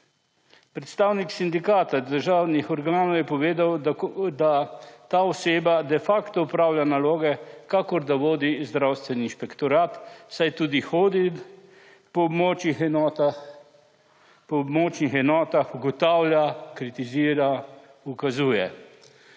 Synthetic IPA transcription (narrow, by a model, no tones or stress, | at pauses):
pɾɛt̪st̪awniksind̪ikaːt̪ad̪əɾʒaːwnixɔɾɡaːnɔwjɛpɔʋeːd̪awd̪at̪aːɔseːbad̪ɛfaːkt̪ɔupɾaːwlʲjanaloːɡɛkakɔɾd̪aʋoːd̪izd̪ɾawst̪ʋɛniːnʃpɛkt̪ɔɾaːt̪sajt̪uːd̪ixoːd̪i | pɔbmot͡ʃix | pɔbmot͡ʃnixɛnɔːt̪axuɡɔt̪awljakɾit̪iziːɾa | ukazuːjɛ